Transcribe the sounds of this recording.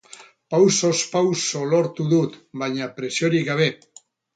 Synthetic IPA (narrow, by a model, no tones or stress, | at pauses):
pawsospawsoloɾt̪uðut̪baɲapɾesjoɾikaβe